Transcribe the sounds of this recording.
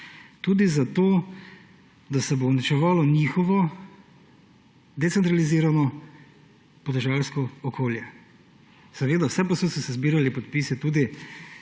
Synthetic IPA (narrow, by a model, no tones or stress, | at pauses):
t̪uːd̪izat̪oː | d̪asɛbonit͡ʃɛʋaːlɔnixɔʋɔ | d̪ɛt̪ɛnt̪ɾaliziːɾanɔ | pɔd̪ɛʒalskɔɔkoːljɛ | sɛʋeːd̪awsɛpasɔsɔsɛzbiːɾalipɔt̪̚piːsɛt̪uːd̪i